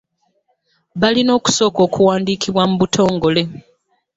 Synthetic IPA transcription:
βalino̞ːku̥so̞ːko̞ːkuwaːndiːkiβwamuβutʰo̞ːŋɡo̞le̞

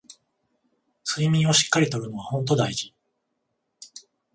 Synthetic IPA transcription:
sɨimʲĩɰ̃o̞ɕi̥kːaɾʲit̪o̞ɾɯ̟no̞β̞ahõ̞nt̪̬o̞d̪aiʑi

